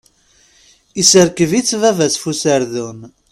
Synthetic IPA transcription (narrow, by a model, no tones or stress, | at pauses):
isəɾkəvit͡sːvævæsfusəɾðun